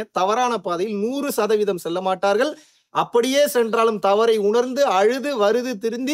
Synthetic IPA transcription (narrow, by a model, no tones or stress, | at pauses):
t̪ɐʋɐɾaːnɐpaːðɐjɪlnuːrɯsɐðɐʋɪðɐmsɛlːɐmaːʈːaːɾɣɐɭ | ʔɐpːɐɽɪjeːsɛndraːlɯmt̪ɐʋɐɾɐɪʊɳɐɾnd̪ɯɐɻɯðɯʋɐɾɯðɯt̪ɪɾɯnd̪i